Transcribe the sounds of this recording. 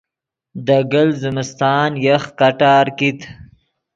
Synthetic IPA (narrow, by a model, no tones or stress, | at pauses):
d̪əɡəlzɪmɪst̪ɑːnjəxkaʈɑːɾkit̪